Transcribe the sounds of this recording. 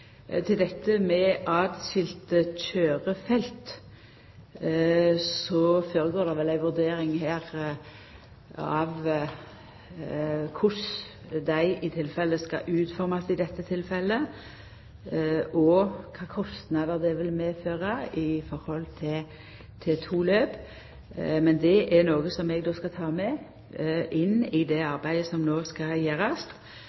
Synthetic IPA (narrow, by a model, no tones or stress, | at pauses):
t̪ʰɪld̪ɛt̪ːəmɛʔɑːd̪sɪlt̪əc͡çøːʁəfɛlt̪ | sɔføːɾəɡoːd̪ɛʋɛlæɪʋʉʁd̪eːɾɪŋhæːʁ | ɑʋ | kʰʊs | d̪æɪʔɪt̪ʰɪlfɛlːəskɑ̰ʔʉːt̪fɔɾmɑsɪd̪ɛt̪ːət̪ʰɪlfɛlːə | ʔɔkʰɑːkʰɔst̪nɑd̪əʁd̪ɛʋɪlmeːføːʁɑɪfɔɾhɔlt̪ʰɪl | t̪ʰɪt̪ʰuːløːp | mɛnd̪ɛʔɛnoːɡəsɔmɛɡd̪oːskɑt̪ʰɑːmɛ | ʔɪnːɪd̪ɛɑʁbæɪd̪əsɔmnoːskɑjeːʁɑst̪